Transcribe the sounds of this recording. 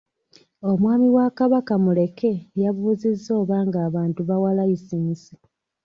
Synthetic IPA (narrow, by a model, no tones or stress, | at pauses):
o̞mwaːmiwakaβakamule̞ke̞jaβuːzizːo̞ːβaːŋɡaːβaːntuβawalaisiːsi